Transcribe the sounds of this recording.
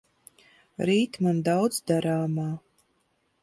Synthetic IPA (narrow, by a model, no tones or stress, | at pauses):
ɾiːt̪mand̪awd̪zd̪aɾaːmaː